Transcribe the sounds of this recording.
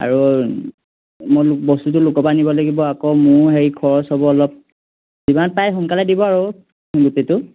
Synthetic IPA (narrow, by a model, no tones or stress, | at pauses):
a̰ɹu | mɔlʊk̚bɔstutʊlʊkɔpanibɔlaɡibɔakɔmʊɹɦejkʰɔɹɔsɔbɔɔlɔp̚ | zibanpajɦɔŋkaladibɔaɹu | ɡutetʊ